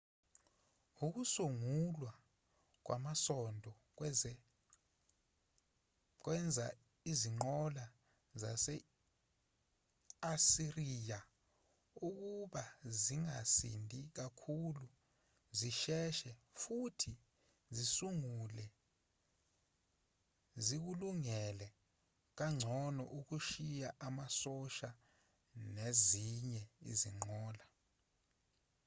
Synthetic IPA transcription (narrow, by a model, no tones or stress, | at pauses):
uk̬usuŋulwa | k̬wʔa̰masɔndʱɔ | ɛ | k̬wɛnd͡zʱa | iziŋ͡ǃɔla | zasɛ | asiriːja | uk̬uɓaziŋasḭndʱik̬akʰulu | ziʃɛʃɛfutʰi | zisuŋulɛ | zik̬uluŋɛlɛ | k̬aŋ͡ǀʱɔnɔ̰ʔuk̬uʃijaʔamasɔʃa | neziɲɛḭzḭŋ͡ǃɔːla